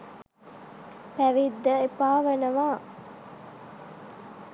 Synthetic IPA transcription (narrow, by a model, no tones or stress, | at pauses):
pæʋid̪ːɐepaːʋɐnɐʋaː